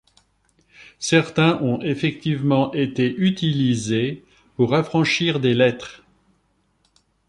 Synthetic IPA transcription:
sɛʁt̪ɛ̃ʔɔ̃efɛk̚t̪ivmɑ̃ʔet̪eʔyt̪ilize | puʁafχɑ̃ʃiʁd̪elɛt̪χ

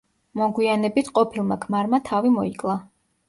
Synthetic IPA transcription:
mɔɡwianɛbit̪ʰqʼɔpʰilˠmakʰmaɾmat̪ʰavimɔikʼlˠa

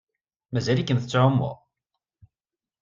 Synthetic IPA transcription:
mæzælikənθə̥t͡sːʕʊmːʊ̰ʁ

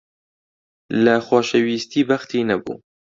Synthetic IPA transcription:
ləxʷɑːʃɛwiːst̪iːbɐxt̪ʰiːnɐbṵː

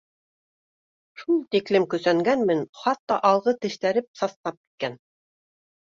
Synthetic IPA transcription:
ʃulˠt̪iklɘmkɵ̆sæŋɡænmɘnχɑt̪ːɑʔɑlˠʁɤt̪ɘ̆ʃt̪æɾɘp̚sɑst̪ɑp̚ki̥t̪̚kæn

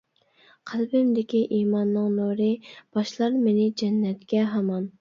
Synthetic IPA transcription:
qʰælbɪmd̪ɪkʲiʔiːmɑnːɨŋnoɾɨb̥ɑʃlˠɑɾmenɪd͡ʒɛnːɛt̪kʲɛɦɑmɑn

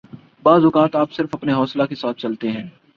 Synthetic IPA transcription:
baːzʊkaːt̪aːpsɪɾfɐpneɦɔːslakesaːt̪̚ʰt͡ʃɐlt̪eɦɛ̃ː

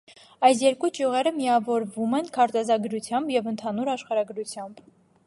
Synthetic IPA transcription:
ɑjs̬jɛɾkut͡ʃjuʁɛɾəmiɑvɔɾvumɛnkʰɑɾt̪ɛzɑɡɾut͡sʰjɑmbjɛvənt̪ʰɑnuɾɑʃχɑɾɑɡɾut͡sʰjɑmb̥

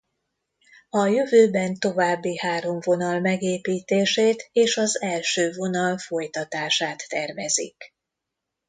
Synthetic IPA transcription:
ɒjøvøːbɛnt̪o̞vaːbːihaːɾo̞ɱvo̞nɒlmɛɡeːpiːt̪eːʃeːt̪eːʃɒzɛlʃøːvo̞nɒlfo̞jt̪ɒt̪aːʃaːt̪ːɛrvɛzḭk

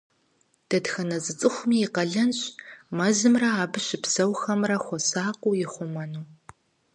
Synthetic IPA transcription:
d̥ɐdxɐnɐzʼɨt͡sʼɨχʷʊmiːqɐɮɐnɕʼmɐzɨmrɐaːbɨɕɪpsɐwxɐmrɐxʷɔsaːqʷʼʊːjɪχʷʊmɐnuː

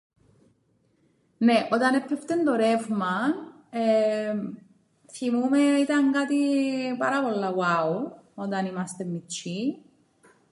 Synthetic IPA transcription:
neʔod̪anepːɛft̪end̪oɾefman | e | θimumeit̪aŋɡat̪ipaɾaβolːawawod̪animast̪emːit͡ʃːi

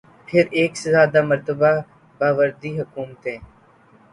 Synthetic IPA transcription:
pʰɪɾeːksezaːd̪aːməɾt̪əbaː | baːʋəɾd̪iːɦʊkuːmət̪ɦẽː

